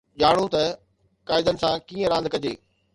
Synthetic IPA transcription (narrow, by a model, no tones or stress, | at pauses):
ʄaːɽ̃ũt̪ɐ | kaːɪd̪ənɪ̆sãkiːə̃ɾãːnd̪̚kɐd͡ʑḛː